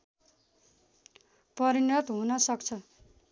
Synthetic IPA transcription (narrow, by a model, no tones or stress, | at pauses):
pʌɾinʌt̪ɦunʌsʌkt͡sʰʌ